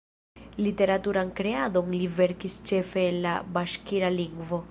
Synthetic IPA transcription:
lit̪e̞ɾat̪uɾaŋkɾeaðo̞ŋliveɾkist͡ʃe̞fe̞ːnlabaʃkiɾaliŋɡvo̞

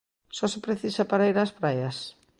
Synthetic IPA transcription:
sɔsepɾeθisapaɾaiɾaspɾajɐs

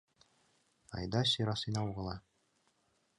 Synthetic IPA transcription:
ɑ̰jd̪ɑsʲiɾɑsɤ̆jnɑuʁɤ̆lˠɑ

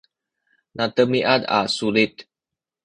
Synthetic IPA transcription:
nat̪əmiʔad̪a̰sulit̪

